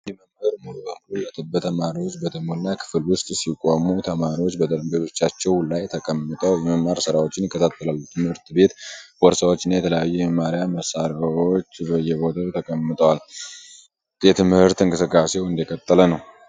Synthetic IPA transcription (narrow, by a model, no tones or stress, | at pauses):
jɛməmhəɾmot̪ʼond̪ujɛt̪ʰʼɨbːət̪ʰəmaɾiwo̞t͡ʃːbət̪ʰɨmonːakʰɨ̥fɨlwʊst̪ʼsikʼomut̪ʰəmaɾiwot͡ʃːbəd̪əɾmbet̪ʰo̞t͡ʃːat͡ʃːɛwlajt̪ʰəkʼəmːɨt̪ʼəjɛməmːaɾsɨɾawo̞t͡ʃːɪnjɪkʰːət̪ʰat̪ʰːəlalːut̪ʰɨmhɨɾt̪be̞t̪wɔɾsawo̞t͡ʃːɪnːajɛt̪ʰələjajːujəmaɾjaməsaɾawo̞t͡ʃːbəjːɛbo̞t̪ʰat̪ʰəkʼəmːɨt̪ʼəwal | jɛt̪ʰɨmhɨɾt̪ɨŋkʼɨsɨkʼːase̞wɨnd̪ikʼət̪ʼːələnəw